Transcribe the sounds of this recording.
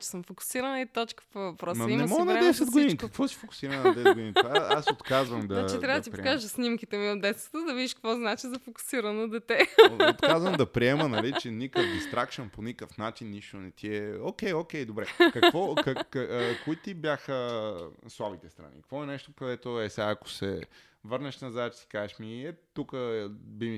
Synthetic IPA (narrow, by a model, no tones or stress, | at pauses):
t͡ʃɛ̥səmfokʊ̥siɾənɐit̪ɔt͡ʃkə̥povɐpɾɔsnimɛmɔənɐd̪ɛsɛd̪̚ɡod̪inikɐkvɔsi̥fokʊ̥siɾɐnɛnɐd̪ɛsɛdɡod̪ĩnipasot̪kazvɐmd̪ɐat͡ʃitt̪ɾavəd̪t̪ipokaʒsnimkit̪ɛmiod̪d̪ɛt̪st̪ət̪əd̪ɐvid̪iʃkkvɔznat͡ʃizɐfoku̥siɾɐnod̪ɛt̪ɛot̪azvəmd̪ɐpɾiɛmənɐlit͡ʃɛnikəkd̪ist̪ɾakʃənponikəfnat͡ʃinːiʃt̪onɛt̪ʰiɛokʲɛjokʲɛjd̪obɾɛkɐvɔkː | koit̪ibjaxə | slˠavit̪ɛst̪ɾɐ̰nḭkkvɔɛnɛʃt̪okɐd̪ɛt̪oɛsaɐko̥sɛ̰ | vəɾnɛʃnɐzaɛt͡ʃsi̥kazɛʃmiɛt̪ukəbimi